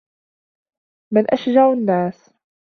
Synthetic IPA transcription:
mɪnʔaʃd͡ʒaʕanːaːs

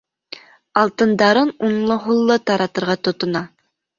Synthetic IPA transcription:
ɑlˠt̪ɨnd̪ɑɾɯnunlˠʊɦulˠːət̪ɑɾɑt̪ə̆ɾʁɑt̪ot̪ʊnɑ

